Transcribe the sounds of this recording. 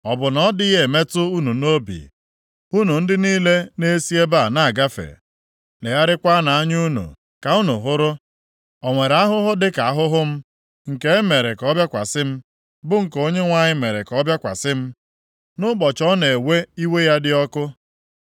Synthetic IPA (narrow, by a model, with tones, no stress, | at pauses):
ɔ˨bʊ˨nɔ˦dɪ˦je˦˨e˨me˦tʊ˦u˦nu˨no˦bḭ˨ | u˦nu˨n̩˦dɪ˦niː˦le˦ne˦si˦e˦ba˦˨na˦a˨ɡa˦fḛ˨ | ne˨ja˦ɾɪ˦kʷa˦na˨a˦ɲ˦u˦nṵ˨ | ka˨u˦nu˨ɦʊ˦ɾʊ˦ | ɔ˨ŋʷe˨ɾa˦ɦʊ˦ɦʊ˦dɪ˦ka˨a˦ɦʊ˦ɦʊ˦m̩˦ | ŋ̩˨ke˦e˦me˨ɾe˨kɔ˦bja˦kʷa̰˨sɪ˦m̩˦ | bʊ˦ŋ̩˨ko˦ɲe˦ŋʷa˦ɲɪ˦me˨ɾḛ˨kɔ˦bja˦kʷa̰˨sɪ˦m̩˦ | nʊ˦k͡pɔ˨t͡ʃɔ˦ne˨e˨we˦i˦we˦ja˦dɪ˦ɔ˦kʊ˦